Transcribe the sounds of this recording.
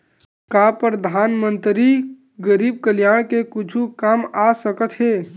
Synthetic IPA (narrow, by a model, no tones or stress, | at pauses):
kapɾəd̪ʱaːnmənt̪ɾi | ɡəɾiːb̚kəljaːɽ̃kekʊt͡ʃʰukamasəkət̪ɦeː